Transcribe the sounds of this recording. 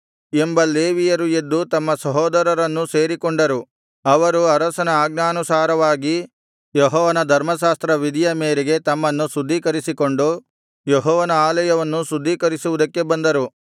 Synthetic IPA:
e̞mbɐleːʋijɐɾujed̪ːut̪ɐmːɐsɐɦɔːd̪ɐɾɐɾɐnːuse̞ːɾikoɳɖɐɾu | ɐʋɐɾuɐɾɐsɐnɐaːɡnaːnusaːɾɐʋaːɡi | jeɦɔːʋɐnɐd̪ʱɐɾmɐʃaːst̪ɾɐʋid̪ijɐmeːɾeɡe̞t̪ɐmːɐnːusud̪ʱːiːkɐɾisiko̞ɳɖu | jeɦɔːʋɐnɐaːlɐjɐʋɐnːusud̪ʱːiːkɐɾisuʋud̪ɐkːe̞bɐnd̪ɐɾu

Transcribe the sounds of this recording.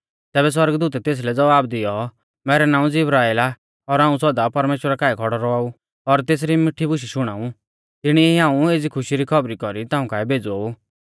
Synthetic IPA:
t̪ɛːbɛs̬wɐɾɡəd̪uːt̪ɛt̪eːs̬lɛd͡zɐʋaːbd̪ɪjɔ | mɛːɾɛnãːũd͡zɪbɾaːela | ɔɾaːũsɔd̪apɐɾmeːʃwəɾakaːikʰɔɽɔɾɔaːu | ɔɾt̪eːs̬ɾimɪʈʰːibʊʃ̬iʃʊɽ̃aːũ | t̪ɪɽ̃ieiãːũeːd͡zikʰʊʃiɾikʰɔbɾikɔɾit̪ãːũkaːɛbʱeːd͡zoːu

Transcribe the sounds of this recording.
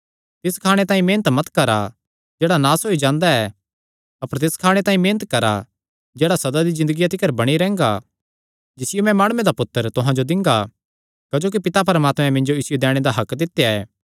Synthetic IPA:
t̪ɪskʰaːɽ̃et̪ãːĩmeːnət̪mɐt̪kɐɾa̰ | d͡ʒɛːɽanaːsɦoːid͡ʒãːnd̪aɛ | ɐpəɾt̪ɪskʰaːɽ̃et̪aːĩmẽːnət̪̚kɐɾa̰ | d͡ʒɛːɽasɐd̪ad̪izɪ̃nd̪əɡijat̪ʰɪkəɾbɐɽ̃iɾɛ̃ːŋɡa̰ | d͡ʒɪsɪjomɛ̃maːɽ̃ʊmẽd̪apʊt̪ːəɾt̪ʊɦãd͡ʒod̪ɪ̃ŋɡa | kɐd͡ʒoːk̬ipɪt̪ap̬ɐɾəmaːt̪mɛ̃mɪ̃nd͡ʒoɪsjed̪ɛːɽ̃ed̪aɦɐkd̪ɪt̪ːejaɛ̰ː

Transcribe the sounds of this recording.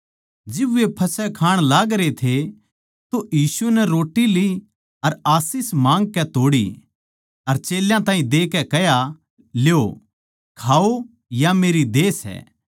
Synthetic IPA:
d͡ʒɪbʋepʰɐsɛkʰaːɽ̃laːɡɾet̪ʰe | t̪ojiːsunɛɾoːʈːili | ɐɾaːsɪsmãːŋɡ̚kɛt̪oːɽḭ | ɐɾt͡ʃeːljãt̪ãːĩd̪eːkɛkɛja | ljo | kʰaːo | jameːɾid̪eːsɛ̰ː

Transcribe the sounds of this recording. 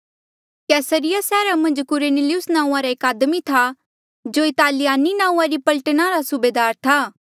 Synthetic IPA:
kɛːsəɾɪjasɛːɾamɐ̃nd͡ʒkʊɾenelɪjʊsnãːũãɾaeːkaːd̪mit̪ʰa | d͡ʒoːɪt̪aːlɪjaːninãːũãɾipɐlʈənaɾasʊbeːd̪aːɾt̪ʰaː

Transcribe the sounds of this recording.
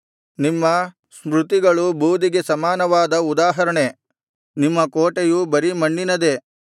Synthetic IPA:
nimːɐ | smɾut̪iɡɐɭubʱuːd̪iɡe̞sɐmaːnɐʋaːd̪ɐud̪aːɦɐɾɐɳe | nimːɐkoːʈejubɐɾimɐɳːinɐd̪e̞

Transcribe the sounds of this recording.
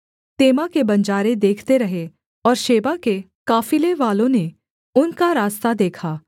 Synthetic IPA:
t̪eːmakebɐ̃ɲd͡ʒaːɾed̪eːkʰt̪eɾɐɦe | ɔːɾʃeːbake | kaːfileʋaːlõne | ʊnkaɾaːst̪ad̪eːkʰaː

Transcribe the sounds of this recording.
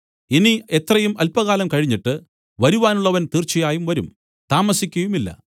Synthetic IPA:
inie̞t̪rɐjumɐlpɐɣaːlɐmkɐɻiɲːiʈːɨ | ʋɐɾuʋaːnuɭːɐʋɐnt̪iːrt͡ɕːijaːjumʋɐɾum | t̪aːmɐsikʲːɐjumilːɐ̰

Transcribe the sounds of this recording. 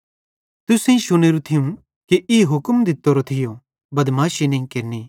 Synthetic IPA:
t̪ʊsẽĩʃʊñeːɾut̪ʰɪjũ | kiʔɪɦʊkmd̪ɪt̪ːoɾot̪ʰɪjo | bɐd̪maːʃinẽĩkɪɾniː

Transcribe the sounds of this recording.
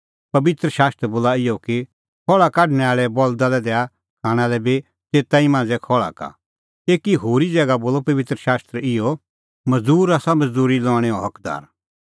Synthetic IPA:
pɐbɪt̪ɾəʃaːst̪ɾəboːlaɪjɔki | kʰɔːɭakaːʈñɛaːɭɛbɔld̪alɛd̪ɛːa | kʰaːɽ̃alɛbi | teːt̪aimãːnd͡zɛkʰɔɭa̰ka̰ | eːkiɦoːɾid͡zɛːɡaboːlɔpɐʋɪt̪ɾəʃaːst̪ɾəɪjɔ | mɐzd̪uːɾaːsamɐzd̪uːɾilɔ̃ːɛɔɦɐkd̪a̰ːɾ

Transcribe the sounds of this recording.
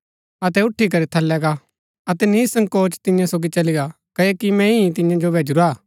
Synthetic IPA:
ɐt̪ɛʊʈʰːikɐɾit̪ʰɐlːɛɡa | ɐt̪ɛnisɐ̃ŋɡkoːt͡ʃt̪ɪ̃jãsoːɡit͡ʃɐliɡa | kɐekimɛ̃ĩt̪ɪ̃jãd͡ʒobʱeːd͡ʒʊɾaː

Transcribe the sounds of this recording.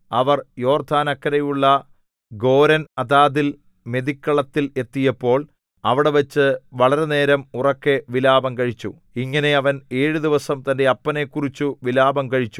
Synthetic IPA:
ɐʋɐrjo̞ːrd̪ʱaːnɐkːɐɾɐjuɭːɐ | ɡo̞ːɾɐnɐd̪aːd̪il | me̞d̪ikːɐɭɐt̪ːile̞t̪ːijɐpːo̞ːɭ | ɐʋiɽe̞ʋɐt͡ɕːɨʋɐɭɐɾe̞ne̞ːɾɐmurɐkːe̞ʋilaːbɐmkɐɻit͡ɕːu | iŋːɐne̞ɐʋɐne̞ːɻud̪iʋɐsɐmt̪ɐnde̞ɐpːɐne̞kːurit͡ɕːuʋilaːbɐmkɐɻit͡ɕːu̥

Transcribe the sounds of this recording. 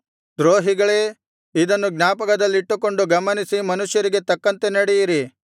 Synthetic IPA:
d̪ɾoːɦiɡɐɭeː | id̪ɐnːuɡnʲaːpɐkɐd̪ɐlːiiʈːuko̞ɳɖuɡɐmɐnisimɐnuʃjɐɾiɡe̞t̪ɐkːɐnt̪e̞nɐɽɛjiɾi

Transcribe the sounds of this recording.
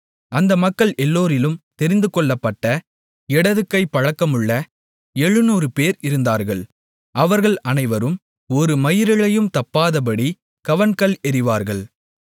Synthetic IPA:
ʔɐnd̪ɐmɐkːɐɭʔɛlːoːɾɪlɯmt̪ɛɾɪnd̪ɯkɔɭːɐpːɐʈːɐ | ɛɽɐðɯkːɐɪpːɐɻɐkːɐmɯɭːɐ | ɛɻɯnuːɾɯpeːɾɪɾɯnd̪aːɾɣɐɭ | ʔɐʋɐɾɣɐɭʔɐnɐɪʋɐɾɯm | ɔɾɯmɐjɪɾɪɭɐjɯmt̪ɐpːaːðɐp̬ɐɽi | kɐʋɐnkɐɭɛɾɪʋaːɾɣɐɭ

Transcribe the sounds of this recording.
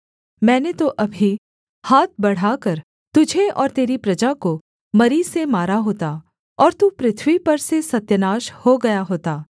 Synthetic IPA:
mɛ̃ːnet̪oʔɐbʱi | haːt̪̚ʰbɐɽ̤aːkɐɾ | t̪ʊd͡ʒʱeʔɔːɾt̪eːɾipɾɐd͡ʒako | mɐɾiːsemaːɾaɦoːt̪a | ɔːɾt̪upɾɪt̪ʰwipɐɾsesɐt̪jənaːʃhoɡɐjaɦoːt̪aː

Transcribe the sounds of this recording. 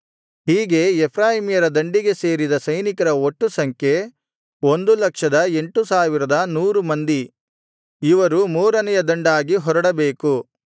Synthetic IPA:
ɦiːɡe̞epʰɾaːɦimijɐɾɐd̪ɐɳɖiɡe̞se̞ːɾid̪ɐsɐjnikɐɾɐoʈːusɐŋkʰe̞ | o̞nd̪ulɐkʂɐd̪ɐe̞ɳʈusaːʋiɾɐd̪ɐnuːɾumɐnd̪i | iʋɐɾumuːɾɐnɛjɐd̪ɐɳɖaːɡiɦɔɾɐɽɐbe̞ːku

